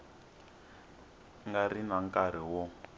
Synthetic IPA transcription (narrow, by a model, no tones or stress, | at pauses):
ŋɡarinaŋkaɾ̤iwɔ